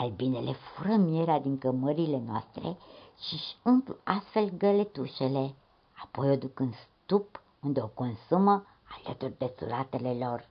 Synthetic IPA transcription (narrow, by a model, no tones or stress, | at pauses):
albinele̞fuɾəmie̞ɾead̪iŋkəməɾile̞noa̰st̪ɾḛʃiʃi̥ɨŋplast̪fe̞lɡəle̞t̪uʃe̞le̞ | apo̞jo̞d̪ukɨnd̪st̪up | und̪eoko̞nsumə | alət̪urʲd̪e̞sṵlat̪e̞le̞lo̞r